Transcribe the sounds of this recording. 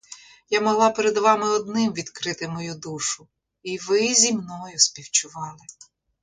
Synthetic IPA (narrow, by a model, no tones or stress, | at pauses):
jamɔɦlˠɑpeɾɛd̪ʋɑmɪɔd̪nɪmʋʲid̪kɾɪt̪ɪmɔjud̪uʃʊ | iʋɪzʲimnɔjʊspʲiwt͡ʃʊʋɑlˠɪ